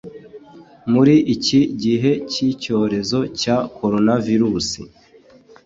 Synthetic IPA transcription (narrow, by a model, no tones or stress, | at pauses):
muɾiʔiciɟiɦe̞cico̞ːɾe̞zo̞cako̞ɾo̞naviɾuːsḭ